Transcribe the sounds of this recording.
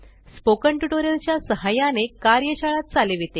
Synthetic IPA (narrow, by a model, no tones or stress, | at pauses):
spokəɳʈuʈoɾəlt͡ɕjasəɦajanekaɾjəɕaɭat̪̚t͡saleʋet̪e